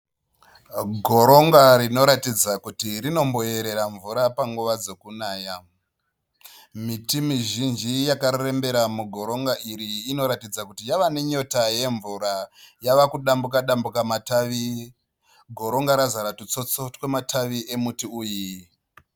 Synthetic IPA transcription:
ɡʱo̞ɾo̞ŋɡaɾino̞ɾatid͡zakutiɾino̞mbo̞e̞ɾe̞ɾaɱvuɾapaŋɡuʋad͡zo̞kunaːja | mitimiʒind͡ʒijakarrembe̞ɾamuɡʱo̞ɾo̞ŋɡaʔiɾiːno̞ɾatid͡zakutijaʋane̞ɲo̞taje̞ɱvuɾajaʋakuɗambukaɗambukamataʋi | ɡʱo̞ɾo̞ŋɡaɾazaɾatut͡so̞t͡sotwematʰaʋie̞mutiuːji

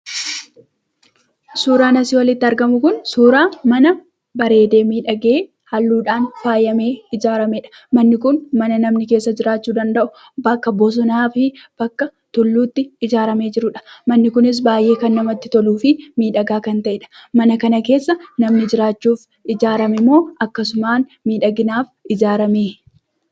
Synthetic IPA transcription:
suːɾaːnɐsɪwɐlɪt̪ːɪɐɾɡɐmʊkʊnsuːɾaːmɐnɐ | bɐɾe̞ːd̪e̞ːmiːᶑɐɡe̞ː | hɐlːuːᶑaːnfaːjɐme̞ːd͡ʒaːɾɐmeːᶑɐ̥ | mɐnːɪkʊnmɐnɐnɐmnɪke̞ːsːɐd͡ʒɪɾaːt͡ʃːuːd̪ɐnd̪ɐʔʊ | bɐkːɐbɔs̬ɔnaːfɪb̥ɐkːɐt̪ʊlːuːt̪ːɪːd͡ʒaːɾɐme̞ːd͡ʒɪɾʊᶑɐ̥mɐnːɪkʊnɪs̬baːjʔe̞ːkɐnːɐmɐt̪ːɪt̪ɔluːfɪmiːᶑɐɡaːkɐnt̪ɐʔeᶑɐ̥mɐnɐkɐnɐke̞ːsːɐnɐmnɪd͡ʒɪɾaːt͡ʃːuːf | ɪd͡ʒaːɾɐmɛmo̞ːɐkːɐsʊmaːnmiːᶑɐɡɪnaːfɪd͡ʒaːɾɐmeː

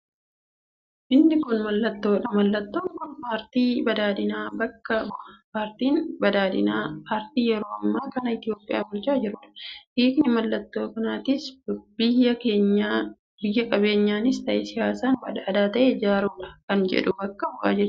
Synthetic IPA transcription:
ʔɪnːɪkʊnmɐlːɐt̪ːo̞ːᶑɐmɐlːɐt̪ːoːŋkʊnpaːɾt̪iːbɐd̪aːd̪ɪnaːbɐkːɐbpaːɾt̪iːnbɐd̪aːd̪ɪnaːpaːɾt̪iːjɛɾoːɐmːaːkɐnɐɪt̪ɪjo̞ːpʼːɪja̰ːbʊlt͡ʃaːd͡ʒɪɾʊᶑɐ̥ʔiːkɲɪmɐlːɐt̪ːo̞ːkɐnaːt̪ɪsbɪjːɐke̞ːɲːaː | bɪjːɐkʼɐbe̞ːɲːaːnɪst̪ɐʔesɪjaːsaːnbɐ̰ᶑaːd̪aːt̪ɐʔed͡ʒaːɾuːᶑɐ̥kɐnd͡ʒɛ̰ᶑʊbɐkːɐbʊʔa̰ːd͡ʒɛ

